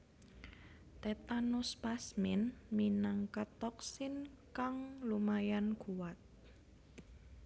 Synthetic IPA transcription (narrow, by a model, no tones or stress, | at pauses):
t̪et̪anuspasmɪnminaŋkat̪ɔksɪnkaŋlumajanɡuwat̪̚